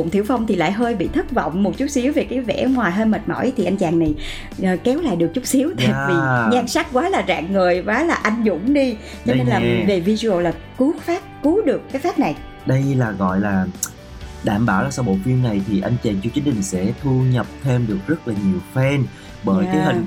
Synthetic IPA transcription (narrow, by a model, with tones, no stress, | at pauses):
o̰˧˨ŋ͡mt̪ʰi˧˩wfa˧wŋ͡mt̪ʰi˨˩la̰ː˧˨jɦəː˧jɓḭ˧˨t̪ʰɨ˦˥k̚vɔ̰˧˨wŋ͡mmo˨˩t̚t͡ɕʊ˦˥k͡p̚si˨˦wve˨˩kaː˨˦jvɛ̰˧˥ŋwaː˨˩jɦəː˧jmə˨˩t̚mɔ̰˧˩˦jt̪ʰi˨˩ʔa˧jŋ̟t͡ɕaː˨˩ŋna˨˩j | ʔəː˨˩kɛ˨˦wla̰ː˧˨jɗɨ˨˩ək̚t͡ɕʊ˦˥k͡p̚si˨˦əwt̪aː˧˨˧jvi˨˩ɲaː˧ŋsa˦˥k̚kwaː˨˦laː˨˩za̰ː˧˨ŋːɨ˨˩əjvwaː˨˦laː˨˩ʔa˧jŋ̟zʊ̰˧˥˨ŋ͡mɗi˧ | t͡ɕɔ˧ne˧nlaː˨˩ve˨˩vi˧zu˧ə˧wlaː˨˩ | ku˨˦faː˦˥p̚ku˨˦ɗɨ˨˩əkːaː˨˦jfaː˦˥p̚na˨˩j | ɗə˧jlaː˨˩ɣɔ̰˧˨jlaː˨˩ | ɗa̰ː˧˩mɓaː˧˩wlaː˨˩sa˧wɓo̰˧˨fi˧ənna˨˩jt̪ʰi˨˩ʔa˧jŋ̟t͡ɕaː˨˩ŋt͡ɕu˧t͡ɕi˨˦ŋ̟t͡ɕï˨˩ŋ̟sɛ̰˧˥t̪ʰu˧ɲə˨˩p̚t̪ʰe˧mɗɨ˨˩ək̚zə˦˥t̚laː˨˩ɲi˨˩əwfɛ˧n | ɓəː˧˩jiː˨˦hi˨˩ŋ